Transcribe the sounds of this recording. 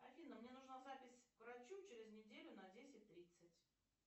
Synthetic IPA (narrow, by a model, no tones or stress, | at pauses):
ɐfʲinːəmnʲe̞nʊʐnazapʲɪsʲkɾɐt͡ɕut͡ɕeɾʲɪznʲɪdʲelʲʊnɐdʲesʲɪt̚ʲt̪ːɾʲit̪sɨtʲ